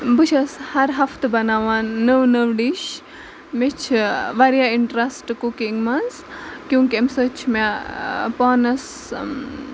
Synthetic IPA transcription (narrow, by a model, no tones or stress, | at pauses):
but͡ʃʰɐshɐɾɦɐfʰt̪ʰbɐnaːʋanːəʋnəʋɖiʃ | met͡ʃʰʋaɾijaiɳʈɾɐsʈkukiŋɡmɐnskjũŋkiɐmsət͡ʃʰmapaːnɐs